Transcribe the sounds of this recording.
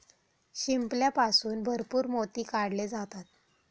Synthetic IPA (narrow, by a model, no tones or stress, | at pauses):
ɕimpljapasuːnbʱəɾpuːɾmot̪iːkaɽled͡zat̪at̪̚